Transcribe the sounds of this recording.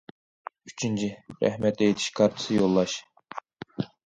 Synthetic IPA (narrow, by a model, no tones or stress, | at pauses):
yt͡ʃʰint͡ʃʰiɾɛ̰hmɛt̪lɛet̪ʰi̥ʃkʰɑɾt̪ʰɨ̥sɨjolˠːɑʃ